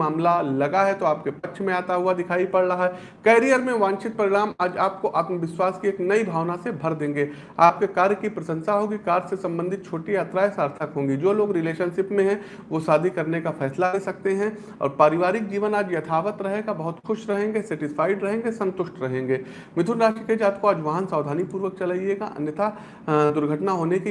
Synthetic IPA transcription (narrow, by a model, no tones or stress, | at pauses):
aːmlalɐɡaɦɛt̪oaːp̚kepɐkːʃʰmẽaːt̪aɦʊad̪ɪkʰaːipɐɽɾɐɦaɦɛ | kɛːɾijəɾmẽʋãːnt͡ʃɪt̪̚pɾɪɾaːmaːd͡ʒaːp̚koʔaːt̪məʋɪswaːskieːknɐibʱaːʋnasebʱɐɾd̪ẽːŋɡeː | aːp̚kekaːɾjəkipɾɐsə̃nsaɦoːɡikaːɾsesɐ̃mbə̃nd̪ʱɪt̪̚t͡ʃʰoːʈijaːt̪ɾajsaːɾt̪ʰəkɦõːŋɡid͡ʒoːloːɡɾɪleːʃənʃɪpmẽɦɛ̃ | ʋosaːd̪ʱikɐɾnekafʰɛːslaɾesɐk̚t̪eɦɛ̃ | ɔ̰ːɾpaːɾɪʋaːɾɪk̚d͡ʒiːʋənaːd͡ʒjɐt̪ʰaːʋət̪ɾɐɦeɡabɐɦʊt̪xʊʃɾɐɦẽːŋɡesɛːʈɪsfaːɪɖɾɐɦẽːŋɡesɐ̃nt̪ʊʃʈɾɐɦẽːŋɡeː | mɪt̪ʰʊɾɾaːʃʈɾəkeːd͡ʒaːt̪̚koaːd͡ʒʋaːɦənsaːd̪ʱaːnipuːɾʋək̚t͡ʃɐlaːieɡaʔɐ̰njət̪a | d̪ʊɾɡʱəʈnaɦoːneki